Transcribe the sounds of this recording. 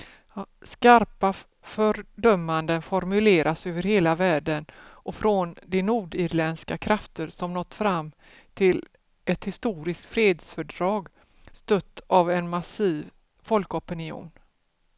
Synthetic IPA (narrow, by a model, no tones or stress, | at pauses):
skaɾpa | fœɾɖœmːand̪ənfɔɾmɵleːɾʔasøːvəɾheːlavæːɖənʔɔfɾɔnd̪ɛnuːɖɪɾlɛnskakʰɾaft̪əɾsɔmnɔt̪ːfɾamː | t̪ʰɪl | ɛt̪hɪst̪uːɾɪskt̪fɾeːd̪sfœɖɾɑːɡ | st̪œt̪ːavɛnmasiːv | fɔlkɔpɪnɪṵːn